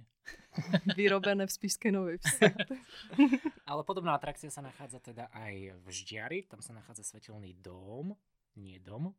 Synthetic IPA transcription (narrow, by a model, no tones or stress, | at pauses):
ʋiɾɔbɛnɛːfspiskɛnɔʋɛjfsɛt̪ɛ | alɛpɔd̪ɔbnaːat̪ɾakt͡siasanaxaːd͡zat̪ɛd̪aʔajvʒɟɪaɾit̪amsanaxaːd͡zasʋɛcilniːd̪ɔm | ɲɪɛd̪ɔm